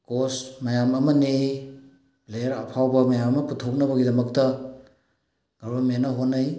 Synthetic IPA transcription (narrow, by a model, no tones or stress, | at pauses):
kosmɐjamɐmɐnej | bleɾɐpʰawbɐmajamɐmɐputʰok̚nɐbɐɡidɐmɐk̚tɐ | ɡ̥ɐɾbɐmenɐɦonːaj